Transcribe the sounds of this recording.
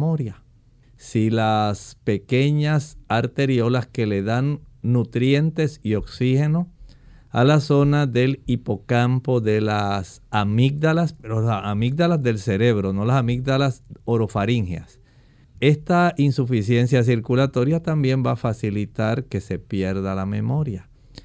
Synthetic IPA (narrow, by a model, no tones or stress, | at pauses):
oɾja | silaspe̞ke̞ɲasaɾt̪e̞ɾjo̞laske̞le̞ðanːut̪ɾje̞nt̪e̞sio̞ksihe̞no̞ | a̰laso̞naðe̞lipo̞kampo̞ðe̞lasamik̚d̪alasoamik̚ðalazðe̞lse̞ɾe̞βɾo̞no̞lasamik̚ðalasoɾo̞faɾiŋhja̰s | e̞st̪ainsufisje̞nsjas̬iɾkulat̪o̞ɾjat̪ambje̞mbafasilit̪aɾke̞se̞pje̞ɾðalamẽ̞mo̞ɾja